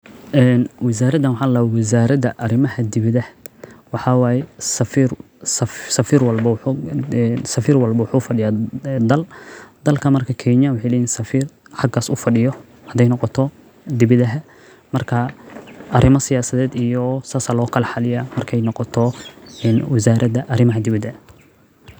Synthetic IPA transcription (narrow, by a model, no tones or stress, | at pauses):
ʔɛːnwɪsaːɾɐd̪ɐnwɑħɑlaːwɪs̬aːɾɐd̪ɐʔɐɾɪmɐɦɐd̪ɪβɪðɐhwɑħɑwaːjɛsɐfiːr | ssɐfiːrwɐlbɐw | nsɐfiːrwɐlbɐwɑħuːfɐɖɪjaːd̪ɐld̪̥ɐlkʰɐmɐrkʰɐkʰɛnɐwɑħejlɛːjinsɐfiːr | ħɑɡaːsʊfɐɖɪjɔ | hɐd̪ɛjnɔqɔt̪ʰɔ | d̪ɪβɪðɐɦɛ | mɐrkʰɐʔɐɾɪmɐsɪjaːsɐðɛːd̪ijɔsaːsalɔːkʰɐlɐħɑlɪjamɐrkʰɛjnɔqɔt̪ʰɔɛːnwɪsaːɾʔɐd̪ɐʔɐɾɪmɐɦɐd̪ɪβɪðɛ